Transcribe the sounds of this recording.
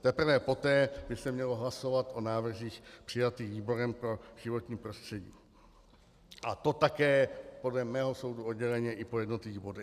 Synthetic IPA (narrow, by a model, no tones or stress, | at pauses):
t̪ɛpr̩vɛpo̞t̪ɛːbɪsɛmɲɛloɦlaso̞vat̪ʔonaːvr̩ziːxpr̥ɪjat̪iːɣviːbo̞ɾɛmpɾo̞ʒ̥ɪvo̞t̪ɲiːpɾo̞st̪r̝̥ɛɟḭː | ʔat̪o̞t̪akɛːpo̞dlɛmɛːɦo̞so̞wduod̪ɟɛlɛɲɛʔɪpojɛdnot̪lɪviːɣbo̞dɛ